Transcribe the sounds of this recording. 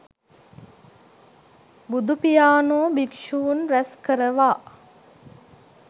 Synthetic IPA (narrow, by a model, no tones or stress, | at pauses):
bud̪upijaːnoːbikʂuunɾæskəɾəʋaː